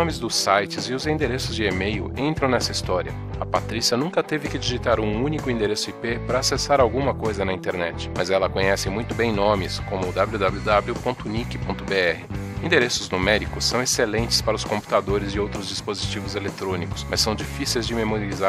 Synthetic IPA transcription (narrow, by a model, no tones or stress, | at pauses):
õmɪzd̪ʊsajt͡ʃɪzɪʊzĩd̪eɾesʊzd͡ʒɪemejʊ̰ʔẽnt̪ɾɐ̃w̃nɛsɐist̪ɔɾiɐ̰ | ɐpat̪ɾisiɐnũkɐt̪evɪkɪd͡ʒiʒit̪aɾũũnikʊĩd̪eɾesʊipepɾɐasesaɾawɡũmɐkojzɐnɐĩnt̪eɾnɛt͡ʃɪ̥mɐzɛlɐkõɲɛsɪ̃mũj̃t̪ʊbẽj̃nõmɪskõmʊːd̪ablud̪ablʲud̪abljʊpõnt̪ʊnikɪpõnt̪ʊbeɛhɪĩd̪eɾesʊznumɛɾikʊsːɐ̃w̃eselẽnt͡ʃɪ̥spaɾɐʊskõmpu̥t̪ad̪oɾɪzɪowt̪ɾʊzd͡ʒispozit͡ʃivʊzelet̪ɾõnikʊ̥smɐssːɐ̃w̃d͡ʒifisejzd͡ʒɪmemoɾiiza